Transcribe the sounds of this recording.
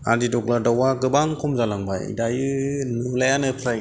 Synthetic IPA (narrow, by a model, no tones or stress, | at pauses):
a̰didɔɡladawaɡɯbaŋkʰɔmzalaŋba̰jḭdajɯnɯlajanɯpʰɾaj